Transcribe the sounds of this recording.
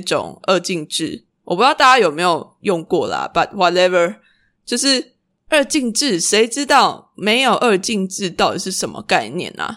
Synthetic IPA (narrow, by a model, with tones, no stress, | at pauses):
ʈ͡ʂo̰˨˩ŋʔə˥˧t͡ɕi˥˧ŋʈ͡ʂɻ̩˥˩ | wʔɔ˨˩pu˦˥jɑ˥˧ʊt̪a˥˩t͡ɕa˥jo˨˩ʊme˧˥ɪjo˨˩ʊjɔ˥˧ŋkwɔ˥˩lə̰˨bɐ˨t̚wɔ˨tɛ˦və˞˧ | t͡ɕjo˥˧ʊʂɻ̩˥˩ | ə˥˧t͡ɕi˥˧ŋʈ͡ʂɻ̩˥˩ʂe˧˦˥ɪʈ͡ʂɻ̩˦t̪ɑ˥˨ʊme˨˧˥ɪjo˨˩ʊʔə˥˧t͡ɕi˥˧ŋʈ͡ʂɻ̩˥˧t̪a˥˩ʊt̪i˨˩ʂ̬ɻ̩˥˩ʂə˨˩nmə̰˦ka˥˧ɪnjɛ̰˥˨˩nə̰˨˩